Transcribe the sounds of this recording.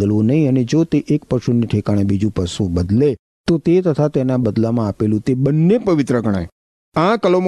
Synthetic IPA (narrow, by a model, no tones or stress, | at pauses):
əlʋõnəɦĩəned͡ʒot̪eʔek̚pəʃuniʈʰekaɽ̃ẽbid͡ʒũpəsũbəd̪le | t̪ot̪et̪ət̪ʰat̪enabəd̪lamãəpelũt̪ebənːepəʋɪt̪ɾəɡəɽ̃a̰e | ãkəlom